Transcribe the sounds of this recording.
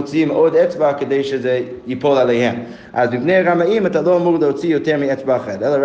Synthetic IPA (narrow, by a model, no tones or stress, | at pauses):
t͡simʔodɛt͡sbakədeɪʃəzeɪjɪpolˠalˠehɛm | ʔazmɪpneɪaɾamaimatalˠoamuʁlˠəot͡sijotɛɾmiɛt͡sbaχɛɾɛlˠəɾ